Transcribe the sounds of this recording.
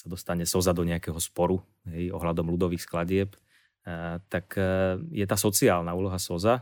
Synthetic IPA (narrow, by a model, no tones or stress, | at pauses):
sad̪ɔst̪aɲɛsɔzad̪ɔɲɛakɛɦɔspɔɾu | ɦɛjɔɦlad̪ɔmlud̪ɔʋiːxsklaɟɪɛp | t̪akjɛt̪aːsɔt͡siaːlnauːlɔɦasɔza